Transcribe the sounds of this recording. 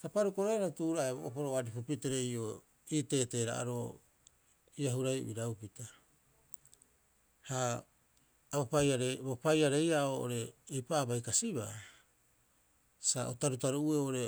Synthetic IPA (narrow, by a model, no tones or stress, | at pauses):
tapaɾukoɾaaɾatuɾaebo̰ʔopoɾoaɾipupiteɾe̞jo | iːte̞ːte̞ːɾa̰ʔa̰ɾo | iaɦuɾaj̰biɾawpita | ha | bopajaɾebopajaɾe̞jaoʔoɾe̞ːjpaːbajkasiβa | saʔotaɾutaɾuueooɾe̞